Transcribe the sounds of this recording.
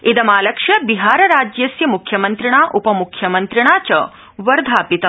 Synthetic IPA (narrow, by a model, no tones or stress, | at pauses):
id̪ɐmaːlɐkʂɐbiɦaːɾɐɾaːd͡ʒjɐsjɐmukʰjɐmɐnt̪ɾiɳ̃aːʔupɐmukʰjɐmɐnt̪ɾiɳ̃aːt͡ʃɐ̰ | ʋɐɾd̪ʱaːpit̪ɐ